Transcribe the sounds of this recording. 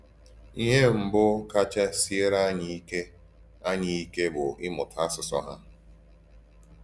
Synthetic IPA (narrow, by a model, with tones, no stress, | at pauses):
i˦ɦe˦m̩˨bʊ˦ka˦t͡ʃa˦si˦e˦ɾa˦ɲi˦i˦ke˦ | a˦ɲi˨i˦ke˦bʊ˨ʔɪ˦mʊ˨tʰa˦sʊ˨sɔ̰˦ɦa˦